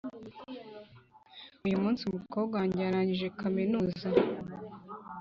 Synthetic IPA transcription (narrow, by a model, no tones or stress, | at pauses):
ujumuːnsimuko̞ːbɡaɲɟaɾaɲiʒe̞kaminuːza